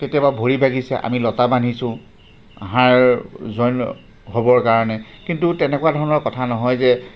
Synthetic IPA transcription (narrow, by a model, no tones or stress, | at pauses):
ketijababʱoɹibʱaɡisɛ̰ʔa̰milɔtabanisʊ̃ | ɦaɹzojn | ɦobɔɹkaɹɔnɛkintutɛnɛkuadʱɔɹɔnɔɹkɔtʰanɔɦɔjzɛ